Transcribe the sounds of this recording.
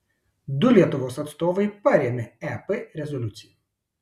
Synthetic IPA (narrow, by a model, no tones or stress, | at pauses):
d̪ʊlʲiɛt̪ʊʋoːsɐt̪st̪oːʋɐɪpɐɾʲeːmʲɛɛpɛɾʲɛzɔlʲʊt̪sʲɪjɛ